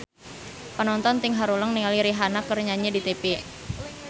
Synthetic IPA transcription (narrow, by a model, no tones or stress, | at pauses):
pənɔnt̪ɔnt̪iŋɦaɾuləŋnialiɾiɦanakərɲaɲadit̪epe